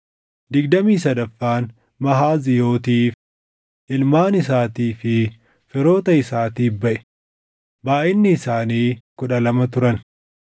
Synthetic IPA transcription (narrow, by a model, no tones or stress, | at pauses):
d̪ɪɡd̪ɐmiːsɐd̪ɐfːaːn | mɐɦaːzɪjo̞ːt̪̬iːf | ʔɪlmaːnɪs̬aːt̪iːfɪ | fɪɾo̞ːt̪ɐɪsaːt̪iːfbɐʔɛ̥ | baːʔɪnːɪːsaːniːkʊᶑɐlɐmɐt̪ʊɾɐn